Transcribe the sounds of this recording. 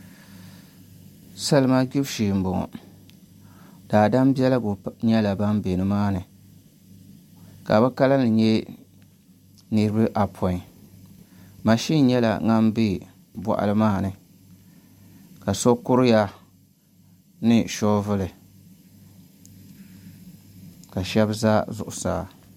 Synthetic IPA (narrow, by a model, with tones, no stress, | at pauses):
sa˦lɨ˨˦ma˦ɡi˦bʃiː˨m˨bɔ˨ŋɔ̰˨ | d̥aː˨da˦m˦bɛ˦la˦ɡʊ˨ɲɛ˦la˨ba˦m˦be˨nɨ˨maː˦nɨ˨ | ka˨bɨ˦ka˦la˦nɨ˨ɲɛ˦ | nɨ˦ɾɨ˦bɨ˦ʔa˨pʰɔ˨i˨ | ma˨ʃi˦ɲɛ˦la̰˨ŋa˦m˦bi˦˨ | bɔ̰˨ʔa̰˦lɨ˦maː˦˨nɨ˨ | ka˨so˦kʊ˦ɾɨ˦ja˦ | nɨ˦ʃɔ˦vɨ˦lɨ˨ | ka˨ʃɛ˦bza˦zʊ˨ʔʊ˨sa̰ː˨